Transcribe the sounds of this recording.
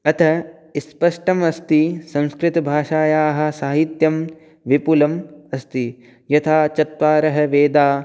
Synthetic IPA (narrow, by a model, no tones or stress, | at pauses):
ɐt̪ʰɐ | spɐʂʈɐmɐst̪isɐ̃nskɾɪt̪ɐbʱaːʂaːjaːɦɐ̆saːɦit̪jɐm | ʋipulɐmɐst̪i | jɐt̪ʰaːt͡ʃɐt̪ʋaːɾɐɦɐʋeːd̪aː